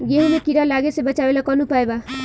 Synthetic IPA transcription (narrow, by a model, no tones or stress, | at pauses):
ɡeɦunekiɾalaɡesebət͡ʃaʋelakɔnupaeba